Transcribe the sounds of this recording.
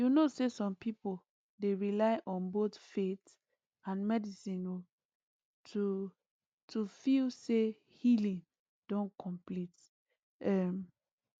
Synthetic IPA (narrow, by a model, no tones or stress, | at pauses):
junosesɔ̃mpipol | deɹilaɪʔɔ̃nbotfet | ãnmɛdisĩno | tʰu | tʰufilse | hilĩŋ | d̥ɔ̃nkʰɔ̃mplit | ɛm